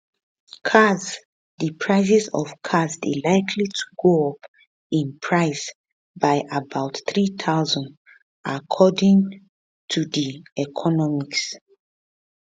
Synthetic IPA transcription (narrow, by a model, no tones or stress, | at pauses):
kʰas | dipʰɹaɪsizɔ̰vkʰazdḛlaɪkʰlitʰu̥ɡoɔp | ĩnpʰɹaɪs | baɪʔabaʊtθɹit̪ʰaʊzɔ̃nd | ʔakʰɔdĩŋ | tʰudiɛkʰɔnɔmiks